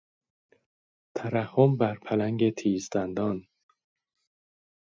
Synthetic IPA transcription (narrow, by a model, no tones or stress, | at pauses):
t̪ʰæɾæhombæɾpʰælæŋɟet̪ʰiːzd̪ænd̪ɒːn